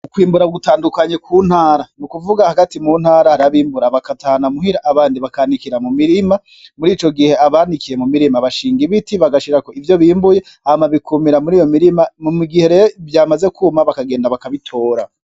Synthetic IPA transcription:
ukwiːmbuɾaɡutaːndukaɲekʰuːn̥haːɾanukuvuɡahaɡatimun̥haːɾahaɾaβiːmbuɾaβakatahanamuɦiɾaʔaβaːndiβakaːnikiɾamumiɾima | muɾiːt͡ʃo̞ɡihe̞aβaːnikije̞mumiɾimaβaʃiːŋɡiβitiβaɡaʃiɾako̞ivjo̞βiːmbuje̞ | ahmaβikʰumiɾamuɾiːjo̞miɾimamumiɡihe̞ɾejovjaːmaze̞kʰuːmaβakaɡeːndaβakaβitʰo̞ːɾa

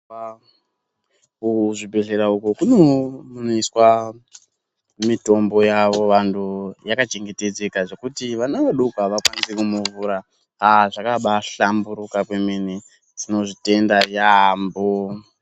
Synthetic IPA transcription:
kuʐibʱe̞ɮe̞ɾaukukunomunoiswa | mito̞mbo̞jaʋo̞ʋantʰujakat͡ʃe̞ŋɡe̞te̞d͡ze̞kaʐe̞kutiʋanaʋaɗukuaʋakwanisekumuvuːɾa | aʐakaɓaɬambuɾukakwemene | tino̞ʐite̞ndajambo

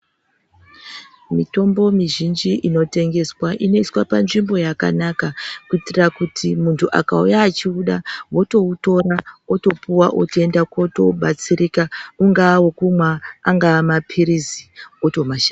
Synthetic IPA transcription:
mito̞mbo̞miʒind͡ʒiʔino̞te̞ŋɡe̞swaʔino̞iswapanʐimbo̞jaka̰nakakuitirakutʰimuntʰuʔa̰kaujaːt͡ʃiuɗawo̞to̞uto̞ɾaoto̞pʰuwaʔo̰toe̞ndakoto̞ɓat͡siɾikauŋɡawokumwaaŋɡaːmapʰiɾizioto̞maʃa

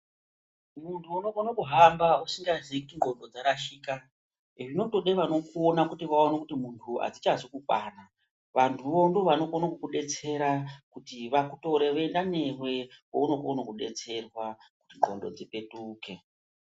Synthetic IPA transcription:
muntʰuːnokonokuɦambausiŋɡazikiŋɡʱo̞ndo̞d͡zaɾaʃiːka | iʐino̞to̞ɗeʋano̞kuonakutiʋaonekutimuntʰua̰d͡zit͡ʃazokukwana | ʋantʰuʋondoʋano̞konokukuɗe̞t͡se̞ɾakutiʋakuto̞ɾeʋendane̞rwe̞kouno̞konokuɗe̞t͡se̞rwakutiŋɡʱo̞̰ndo̞d͡zipe̞tuːke̞

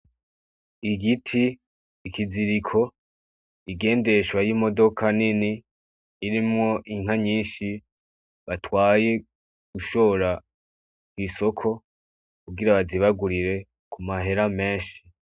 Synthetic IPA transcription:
iɡitʰiː | kiziɾikʰo̞ | iɡe̞ːnde̞ʃwajimo̞do̞kʰaniniː | ɾimŋo̞ʔiŋ̥ɦaɲiːnʃi | βatwaːje̞ | ɡ̥uʃo̞ɾa | kwiːso̞kʰo̞ | kuɡiɾaβaziβaɡuɾiɾe̞ | kumaɦe̞ɾame̞ːnʃi̥

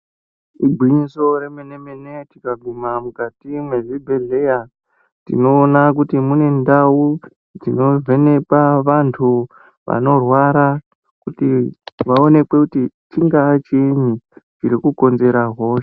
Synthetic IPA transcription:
ibʱwiɲiso̞ɾemenemenetikaɡʱumamukatimwe̞ʐibʱe̞ɮe̞ja | tḭno̞ːnak̬utimune̞ndawu | d͡zino̞vʱe̞ne̞paʋantʰu | ʋa̰no̞rwaɾa | kutiʋaone̞kwe̞kutit͡ʃiŋɡat͡ʃiɲut͡ʃiɾikuko̞nze̞ɾaɦoʃ

